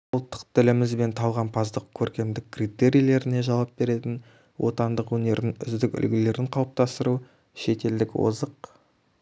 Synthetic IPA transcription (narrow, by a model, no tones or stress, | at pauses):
wlˠt̪ːə̥qt̪ʰɪlɪmɪzbe̞nt̪ʰɑlˠʁɑnpʰɑzd̪əq̚kʲʰɵɾkʲe̞md̪ɪk̚ʲkːrit̪e̞ɾʲijle̞ɾɪne̞ʒɑlw̪ɑp̚be̞ɾe̞t̪ɪn | wʔo̞̰t̪ɑnd̪əqwɵne̞ɾɪnʏ̰zd̪ɪkʲʏ̰lɡʲɪle̞ɾɪɴqʰɑwp̚t̪ɑst̪əɾu | ʃe̞t̪e̞ld̪ɪkwo̰zəq̚